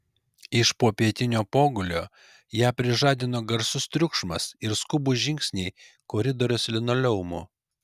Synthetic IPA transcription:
ɪʃpoːpʲiɛt̪ʲɪnʲoːpoːɡʊlʲoː | jæːpʲɾʲɪʒɑːd̪ʲɪnoːɡɐɾsʊst̪ʲɾʲʊkʃmɐsɪɾskʊbʊʒʲɪŋʲksʲnʲɛɪ | koːɾʲɪd̪oːɾʲʊslʲɪnoːlʲɛʊmo

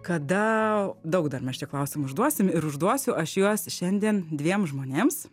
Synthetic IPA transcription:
kɐd̪ɐd̪ɐʊkd̪ɐrmʲɛsʃt͡ʃʲɛklˠɐʊsʲɪmʊʒd̪uɔsʲɪmɪɾʊʒd̪uɔsʲʊʔɐʃjuɔsʃʲɛnʲd̪ʲiɛnd̪ʲʋʲiɛmʒmoːnʲeːms

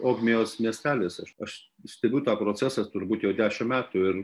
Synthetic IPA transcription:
oːɡmʲɪjoːsmʲiɛsʲt̪ʲæːlʲeːsɐʃɐʃs | sʲt̪ʲɛbʲuʊt̪ɑːpɾoːt͡sʲæsɑst̪ʊɾbuːt̪jɛʊd̪ʲæːʃʲɪmmʲæːt̪ʊɪɾ

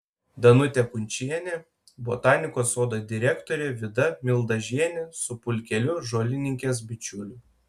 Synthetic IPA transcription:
d̪ɐnʊt̪ʲɛkʊnʲt͡ʃʲiɛnʲe | bot̪ɑːnʲɪkoːsoːd̪ɐd̪ʲɪɾʲɛkt̪oɔɾʲeːʋʲɪd̪ɐmʲɪlˠd̪ɐʒʲiɛnʲɛsʊpʊlʲkʲɛlʲʊʒoːlʲɪnʲɪŋʲkʲeːs̬bʲɪt͡ʃʲʊlʲʊ

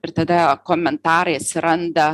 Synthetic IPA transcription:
ɪɾt̪ɐd̪ɐkoːmʲɛnt̪ɑːɾɐɪɐt̪ʲsʲɪɾɐnd̪ɐ

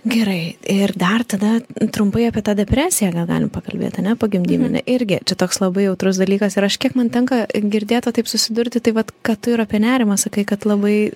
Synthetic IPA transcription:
ɡʲɛɾɐɪɪrd̪ɐrt̪ɐd̪ɐt̪ɾʊmpɐɪɑːpʲiɛt̪ɑːd̪ʲɛpʲɾʲæːsʲɪjɛɡɐlˠɡɑ̰ːlʲɪmpɐkɐlʲbʲḛːt̪ɐnʲɛpoɡʲɪmʲd̪ʲḭːmʲɛnʲɛ̰ʔɪɾʲɡʲɪt͡ʃʲɛt̪oːkslˠɐbɐɪjɛʊt̪ɾʊsd̪ɐlʲiːkɐsɪɾɐʃkʲiɛkmɐnt̪ʲɛŋkɐɡʲɪɾʲd̪ʲeːt̪ɐt̪ɐɪpsʊsʲɪd̪ʊɾʲt̪ʲɪt̪ɐɪʋɐt̪kɑːt̪ʊɪɾɑːpʲiɛnʲæːɾʲɪmɐsɐkɐɪkɐt̪lˠɐbɐɪ

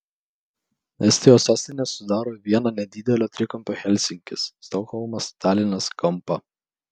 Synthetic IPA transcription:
ɛsʲt̪ʲɪjoːsɑːsʲt̪ʲɪnʲɛːsʊd̪ɑːɾoːʋʲiɛnɐnʲɛd̪ʲɪd̪ʲɛlʲoːt̪ʲɾʲɪkɐmʲpʲoːxʲɛlʲsʲɪŋʲkʲɪsːt̪ɔxɔlˠmɐst̪ʲɑːlʲɪnʲɛskɐmpɐ

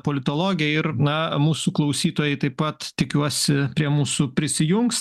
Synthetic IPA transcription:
poːlʲɪt̪oːlˠoːɡʲɪjɛɪɾnɐmuːsuklˠɐʊsʲiːt̪oːjɛɪt̪ɐɪppɐt̪t̪ʲɪkʲuɔsʲɪpʲɾʲiɛmuːsʊpʲɾʲɪsʲɪjʊŋks

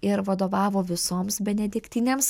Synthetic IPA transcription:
ɪɾʋɐd̪oːʋɑːʋoːʋʲɪsoːmsbʲɛnʲɛd̪ʲɪkt̪ʲɪnʲeːms

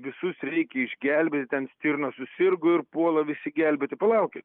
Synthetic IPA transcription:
ʋʲɪsʊsɾʲɛɪkʲɛɪʒʲɡʲælʲbʲeːt̪ʲɪt̪ʲɛnsʲt̪ʲiːrnɐsʊsʲɪrɡʊɪrpuɔlˠɐʋʲɪsʲɪɡʲɛlʲbʲeːt̪ʲɪpɐlˠɐʊkʲet̪

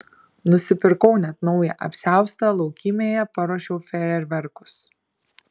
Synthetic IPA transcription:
nʊsʲɪpʲɪɾkɔʊnʲɛt̪nɒʊjɛʔɐ̰pʲsʲæˑʊst̪ɑlˠɒʊkʲɪmʲeːjɛpɐɾoːʃʲɛʊfʲɛɛɾʲʋʲɛɾkʊ̥s

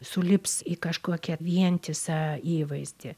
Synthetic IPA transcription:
sʊlʲɪpsikɐʃkuɔkʲɛʋʲiɛnʲt̪ʲɪsɑːiːʋɐɪzʲd̪ʲɪ

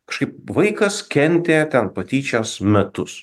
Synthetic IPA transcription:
kɐʃkɐɪp̚ʋɐɪkɐskʲɛnʲt̪ʲeːt̪ʲɛnpɐt̪ʲiːt͡ʃʲoːsmʲɛt̪ʊs

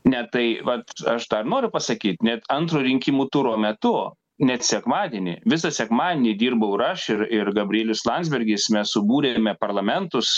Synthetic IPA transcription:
nʲɛt̪ɐɪʋɐt̪ɐʃd̪ɐrnoːɾʲʊpɐsɐkʲiːt̪nʲɛt̪ɐnt̪ɾuːɾʲɪŋʲkʲimuːt̪ʊɾoːmʲɛt̪ʊ | nʲɛt̪sʲɛkmɑːd̪ʲeːnʲḭʋʲɪsɐsʲɛkmɑːd̪ʲenʲid̪ʲiːrbɐʊɪɾɐʃɪrɪɾɡɐbʲrʲɪeːlʲʊslˠɑnʲdzʲbʲɛɾʲɡʲɪsmʲɛssʊbuːɾʲemʲɛpɐrlˠɐmʲɛnt̪ʊs

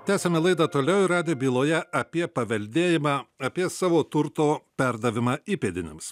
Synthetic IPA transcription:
t̪ʲæːsʲɛmʲɛlˠɐɪd̪ɐt̪oːlʲɛʊɪɾɑːd̪ʲeːbʲiːlˠoːjɛʔɐpʲiɛpɐʋʲɛlʲd̪ʲeːjɪmɑːɐpʲiɛsɑːʋoːt̪ʊɾt̪oːpʲæɾd̪ɐʋʲɪmɑːiːpʲeːd̪ʲɪnʲɪ̰ms

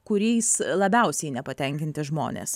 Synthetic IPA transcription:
kʊɾʲɛɪslˠɐbʲɛʊsʲɛɪnʲɛpɐt̪ʲɛŋʲkʲɪnʲt̪ʲɪʒmo̰ːnʲḛːs

